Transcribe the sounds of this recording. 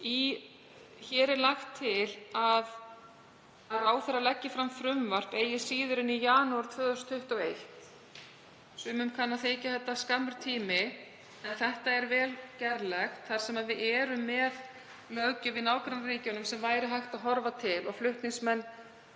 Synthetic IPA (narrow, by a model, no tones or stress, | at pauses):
i | çɛːɾɪlaxt̪ʰːɪlað | aðaːwθɛɾalɛcːɪfɾamfɾʏmvar̥t̪eːjɪsiːðʏɾʏnijaːnuaɾ̥t̪ʰvœːðʏst̪ʰʏht̪awejht̪ | sʏːmʏmkʰanːaðθeːjcaθɛht̪ːaskamːʏɾ̥t̪ʰiːmɪ | ɛnθɛht̪aɛɾvɛːlcɛɾlɛxt̪θaɾ̥sɛmaðvɪðɛːɾʏmːɛð | lœcʏvɪðnaːwkɾanːaɾiːcʏnʏmsɛmvaːjɾɪɦajxt̪aðɦɔɾvat̪ʰɪlɔɣflʏht̪nɪŋsmɛnː